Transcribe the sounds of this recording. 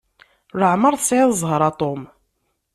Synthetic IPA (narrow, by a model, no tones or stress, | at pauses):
ɾəʕməɾˤθsʕɪðzˤhɾˤɑt̪ˤom